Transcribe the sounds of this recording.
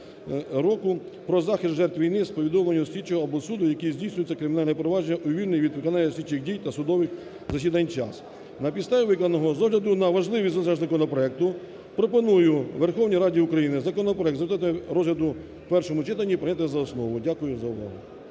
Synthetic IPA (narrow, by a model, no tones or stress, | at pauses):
ɾɔkʊ | pɾɔzɑxɪst̪ʒɛrt̪ʋʲijnɪspɔʋʲid̪ɔmlˠɐnʲːʊsʲlʲit͡ʃɔɦɔɐbɔsud̪ʊjɐkizʲdʲijsʲnʲʊjʊt͡sʲːɐkɾɪmʲnɑlʲnɛpɾɔʋɑd͡ʒeːɐʔʊʋʲilʲnɪjʋʲid̪ʋɪkɔnɑnʲːɐsʲlʲit͡ʃɪxdʲijt̪ɐsʊd̪ɔʋɪx | zɐsʲid̪ɐnʲt͡ʃɑ̰s | nɐpʲit̪st̪ɑʋʲiʋɪknɐnɔɦɔzɔɦlʲɐd̪ʊnɐʋɐʒlˠɪʋʲizɔzɐʒzɐkɔnɔpɾɔɛk̚t̪ʊ | pɾɔpɔnujʊʋerxɔwnʲiɾɑdʲiʊkɾɐjinɪzɐkɔnɔpɾɔɛk̚t̪zɾt̪ɑt̪ɪɾɔzɦlʲɐd̪ʊ | pɛrʃɔmʊt͡ʃɪt̪ɐnʲːipɾenʲat̪ɪzɐɔsnɔʋʊdʲakʊjʊzɐʊʋɑ̰ɦʊ